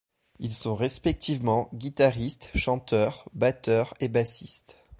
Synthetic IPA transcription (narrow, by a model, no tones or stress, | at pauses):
ilsɔ̃ʁespɛk̚t̪ivmɑ̃ɡʲit̪aʁist̪ʃɑ̃t̪œːʁbat̪œʁebasist̪